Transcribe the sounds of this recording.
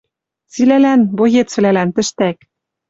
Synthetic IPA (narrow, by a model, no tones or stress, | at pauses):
t͡silælænbojet͡sβlælænt̪ɘ̆ʃt̪æk